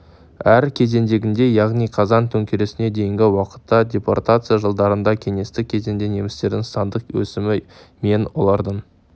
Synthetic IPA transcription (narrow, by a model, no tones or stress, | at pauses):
æɾkʲʰe̞ze̞nd̪e̞ɡʲɪnd̪e̞jɑʁnijqʰɑzɑnt̪ʰɵŋkʲʰeɾe̞sɪne̞d̪e̞jɪŋɡʲɪwɑqə̥t̪ːɑdʲe̞po̰rt̪at̪sɨjaʒəlˠd̪ɑɾənd̪ɑkʲʰe̞ŋe̞st̪ɪkʲʰe̞ze̞nd̪e̞nje̞mɪst̪e̞ɾd̪ɪŋsɑnd̪əqwɵ̰sɪmɪme̞nwolˠɑɾd̪əɴ